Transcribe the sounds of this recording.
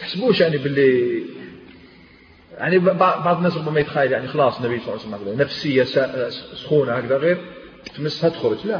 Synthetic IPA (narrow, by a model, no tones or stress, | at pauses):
t̪əħsbuʃjaʕnibəlːi | ja̰ʕnibbɑʕbɑʕd̪ˤnːæs̬ɾʊbːæmæjət̪xæjəljaʕnixɑlɑsˤnːæbijsˤsmhkd̪ænəfsəjːasæsxunahækd̪æɣiɾ | fiməsːhæt̪əxɾod͡ʒlæ